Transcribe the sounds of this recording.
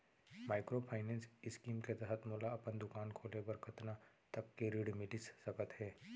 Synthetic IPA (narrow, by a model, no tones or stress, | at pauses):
maːɪkɾopʰaːɪnɛ̃ːnsɪskiːmket̪ɛɦət̪mɔːlaɐpənd̪ʊkaːnkʰoːlebəɾkʰɐt̪na | t̪ɐkːeɾiɽmɪlɪsːɐkət̪ɦɛː